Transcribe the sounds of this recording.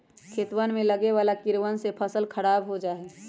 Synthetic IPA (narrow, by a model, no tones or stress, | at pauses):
kʰeːt̪wənmẽləɡeʋaːlakɪɾwənsepʰəsəlkʰəɾaːbɦod͡ʒaːɛː